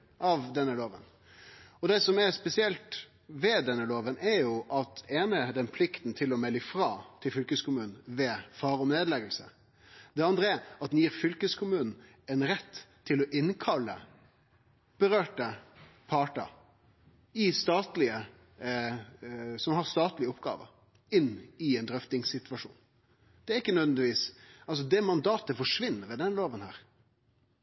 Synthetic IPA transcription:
ʔɑʋd̪ɛnːəloːʋə̰n | ɔd̪ɛsɔmɛɾspɛsɪɛlt̪ | ʋɛd̪ɛnːəloːʋənʔɛɾjʊʔɑt̪̚eːnəɛd̪ɛnpʰlɪkt̪n̩t̪ʰɪlɔmɛlːəfɾɑːt̪ʰɪlfʏlkəskʊmʉːnn̩ʋɛfɑːɾɔmneːd̪lɛɡəlsə̰ | d̪ɛɑnd̪ʁəæɾɑt̪̚d̪njiːɾfʏlkəskʰʊmʉːnn̩ | ɛnɾɛt̪ʰːɪlɔʔɪnkʰɑlːə̰ | b̥əɾøːʈəpʰɑʈɑ̰ | ɪst̪ɑːt̪lɪə | sɔmhɑʁst̪ɑːt̪lɪəʊpɡɑ̰ːʋə̰ɾ | ɪnːɪɛnd̪ɾœft̪ɪŋsɪt̪ʋɑʂṵːn | d̪̥ɛæɾɪkːənœʋnd̪ɪʋiːsɑls̬ɔd̪ɛmɑnd̪ɑːt̪əfɔʂʋɪnːəɾʋɛd̪ɛnloːʋənhæ̰ːɾ

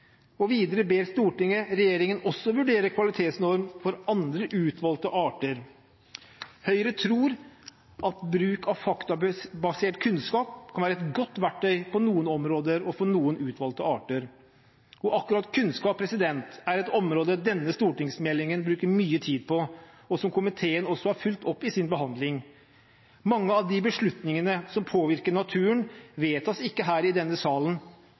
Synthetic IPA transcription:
ɔʋiːd̪əɾəbeːɾst̪uːʈɪŋəɾɛjeːɾɪŋənɔsːɔʋʉɖeːɾəkʰʋɑlɪt̪ʰeːt̪snɔɾmfɔɾɑnd̪ɾəʔʉːt̪ʰʋɑlt̪əʔɑːʈəɾ | hœʏəɾət̪ʰɾuːɾ | ʔɑt̪bɾʉːkʰɑʋfɑkt̪ɑbɑseːʈkʰʉnskɑːp̚kʰɑnʋæːɾɛt̪ɡɔt̪ːʋæʈʰːœʏpʰɔnuːənɔmɾoːd̪əɾɔfɔɳuːənʉːt̪ʰʋɑlt̪əɑːʈəɾ | ɔʔɑkːʉɾɑt̪kʰʉnskɑːpʰɾɛsɪd̪ɛnt̪æɾɛt̪ɔmɾoːd̪əd̪ɛnːəst̪uːʈɪŋsmɛlːɪŋənbɾʉːkəɾmyːət̪ʰiːd̪̚pʰɔ | ɔsɔmkʰʊmɪt̪ʰeːənɔsɔhɑɾfʉlt̪ʰɔpːɪsɪnbəɦɑnd̪lɪŋ | mɑŋːəɑʋd̪ɪbəʂɭʉt̪nɪŋənəsɔmpʰoːʋɪɾkəɳɑt̪ʰʉːənʋeːt̪ʰɑsɪkːəɦæːɾɪd̪ɛnːəsɑːlən

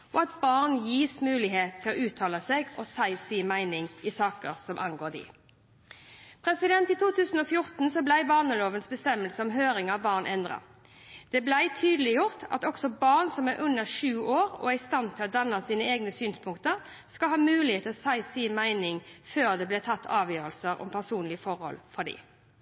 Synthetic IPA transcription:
ʔɔɑt̪̚bɑʁnjiːsmʉːlɪɦeːt̪t̪ʰɪlɔʔʉːt̪ʰɑːləseːɡɔsæɪsiːmæɪnɪŋɪsɑːkə̰ʁsɔmʔɑ̰ŋɡoːd̪ɪ̰ː | pʰʁɛsɪd̪ɛnt̪ɪt̪ʰuːt̪ʰʉːsn̩ɔfjʊɾt̪n̩sɔblæɪbɑːʁnəloːʋənsbəst̪ɛmːəlsəɔmɦøːɾɪŋɑʋbɑːʁnʔɛnd̪ʁɑ̰ | d̪̥ɛblæɪt̪ʰyːd̪lɪjʊʁt̪ɑ̰t̪ɔksɔbɑʁnsɔmæʁʔʉnːəʁʂʉːoːʁɔ̰æɪst̪ɑnt̪ʰːɪlɔd̪ɑnːɑsiːnəeːɡnəsyːnspʰʊŋkt̪əʁ | skɑlhɑːmʉːlɪheːt̪ʰɔsæɪsiːmæɪnɪŋføːʁd̪ɛblɛːt̪ʰɑt̪ʰːɑːʋjøːʁəlsəɾɔ̰mpʰæʁsuːnlɪəfɔʁhɔ̰lfɔd̪ḭː

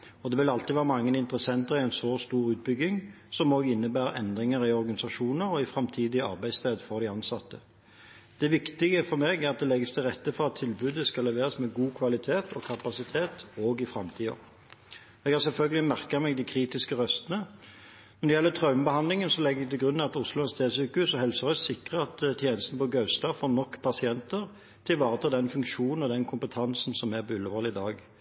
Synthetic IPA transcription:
ɔd̪ɛʋɪlɑlt̪ɪʋæːʁəmɑŋːənɪnt̪ʁəsɛnt̪əʁɪæɪnsost̪uːʁʉːt̪̚bʏɡːɪŋ | sɔmoːɡɪnːəbæːʁəʔɛ̰nd̪ʁɪŋəʁɪɔʁɡɑnɪsɑʃuːnəʁɔɪfʁɑmt̪ʰiːd̪ɪɑ̰ʁbæɪst̪ʰeːd̪fɔʁd̪ɪɑnsɑt̪ːə | d̪̥ɛʋɪkt̪ɪɡəfɔɾmeːɡæʁɑt̪̚d̪ɛlɛɡəst̪ʰɪlʁɛt̪ːəfɔʁɑt̪ʰːɪlbʉːd̪əskɑlːɛʋeːʁɑsmɛɡuːkʰʋɑlɪt̪ʰeːt̪ʰɔkʰɑpɑsɪt̪ʰeːt̪oːɡɪfɾɑmt̪ʰiːɔ̰ | ɛɡhɑːʁsɛlfœlɡəlɪmæʁkɑmɛɡd̪ikʰɾiːt̪ɪskəʁœst̪ənə | nɔd̪ɛjɛlːət̪ʰʁɑʉməbəhɑnd̪lɪŋənsɔlɛɡɛɡ̚t̪ɛlɡɾʁʉnːɑt̪ʊslʊɑnst̪ʰeːd̪sʉːkəhʉːsɔɦɛlsəʁœssɪkːʁəɑt̪t̪ʰjeːnəst̪nəpɔɡœʉst̪ɑfɔnɔkːpʰɑsɪɛnt̪əʁ | t̪ʰɪlʋɑːʁət̪ʰɑːd̪ɛnfʉŋkʃuːnn̩ɔd̪ɛnkʰʊmpət̪ʰɑnsn̩sɔmæbʏləʋəlɪd̪ɑːɡ

